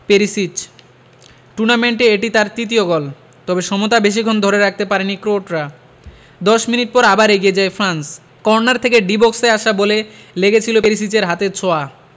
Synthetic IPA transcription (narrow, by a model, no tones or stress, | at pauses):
peɾisit͡ɕ | ʈuɾnameɳʈeeʈit̪aɾt̪ɾit̪̬ioɡɔl | t̪ɔbeʃɔmot̪abeʃ̬ikʰond̪ʱɔɾeɾak̚ʰt̪epaɾenikɾoʈɾa | d̪ɔʃminiʈ̚pɔɾabaɾeɡied͡ʑaefɾans | kɔɾonaɾt̪ʰekeɖibokseaʃaboleleɡet͡ɕʰilopeɾis̬it͡ɕeɾɦat̪et͡ɕʰoa